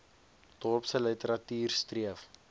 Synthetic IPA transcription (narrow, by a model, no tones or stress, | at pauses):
d̥ɔpsələtəɾɐtyːrstriəf